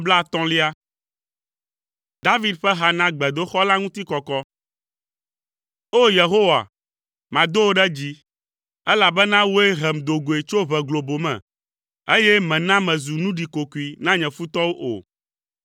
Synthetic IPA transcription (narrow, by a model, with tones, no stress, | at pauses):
bla˦˨t̪ɔ̃˦li˦a˦ | d̪a˦vi˦d̪ɸɛ˦ɦa˨nã˦ɡ͡bɛ˨d̪o˦xɔ˦la˦ŋũ˦t̪i˦kɔ˨kɔ˦ | o˦je˨ɦo˦wa̰˨ | mã˨d̪o˦wo˦ɖɛ˦d͡ʑi˦ | ɛ˦la˨bɛ˦nã˦wo˦e˦ɦɛ˨md̪o˨ɡo˨e˨t͡ʃo˦βɛ˨ɡlo˨bo˨mɛ̰̃˨ | e˦jɛ˦mɛ̃˨nã˦mɛ̃˨zu˨nũ˦ɖi˨ko˨ku˨i˨nã˦ɲɛ̃˨fu˦t̪ɔ˦wo˦ʔo̰˨